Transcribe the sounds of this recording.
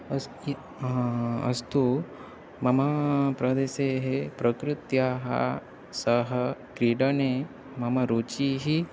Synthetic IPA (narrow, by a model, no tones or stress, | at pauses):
ɐ̰st̪u | mɐmɐpɾɐd̪eːseːɦepɾɐkɾɪt̪jaɦɐ̰ | sɐɦɐkɾiɽɐne | mɐmɐɾut͡ʃiɦi